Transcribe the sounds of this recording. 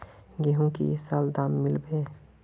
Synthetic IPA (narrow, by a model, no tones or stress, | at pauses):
ɡeɦũkḭsaːld̪aːmːɪlbẽː